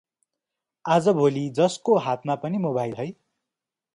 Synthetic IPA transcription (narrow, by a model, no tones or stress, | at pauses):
ad͡zʌbʱolid͡zʌskoɦat̪ʰmapʌnimobajlɦʌj